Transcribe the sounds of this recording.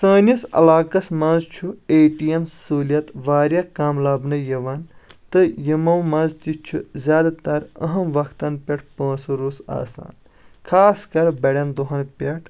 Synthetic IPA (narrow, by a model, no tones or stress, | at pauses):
sɐːnʲɐsɐ̰laːkɐsmɐ̃nzt͡ʃʰueːʈijemssuːlijɐt̪ʋaːɾʲjɐkaːmlɐːbnɨjɐʋɐnt̪ɨjɐmɐwmɐnzt̪it͡ʃʰuzʲjaːd̪at̪ɐɾɐ̰ɦɐmʋɐkʰt̪ɐnpʲeʈ̚ʰpɐ̃ːsɐɾoːsa̰ːsa̰ːn | kʰaːskɐɾbɐɽʲɐnd̪oɦɐnpʲeʈʰ